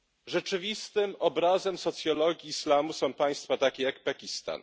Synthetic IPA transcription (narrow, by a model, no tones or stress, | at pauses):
ʐɛt͡ʂɘvʲist̪ɘmɔbɾazɛmsɔt̪sʲjɔlɔɡʲiːslamusɔ̃w̃paj̃st̪fat̪akʲɛjakpakʲist̪a̰n